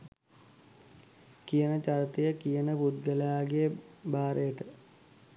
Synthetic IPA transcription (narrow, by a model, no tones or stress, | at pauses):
kijənət͡ʃaɾt̪ejəkijənəpud̪̚ɡəljaːɡejəbaːɾʔejəʈə